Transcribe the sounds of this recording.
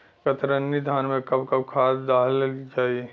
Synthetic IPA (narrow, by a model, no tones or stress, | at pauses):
kət̪ɾənːid̪ʱaːnmẽkɐbkɐbkʰaːsd̪aːld͡ʒaːie